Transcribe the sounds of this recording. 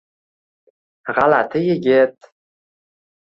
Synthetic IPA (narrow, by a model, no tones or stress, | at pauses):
ʁalat̪ʰɪjɪɡʲɪt̪̚